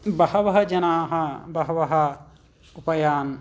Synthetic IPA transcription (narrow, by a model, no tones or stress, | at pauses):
bɐhɐʋɐɦɐd͡ʒɐnaːɦɐbɐɦɐʋɐɦɐ | upɐjaːn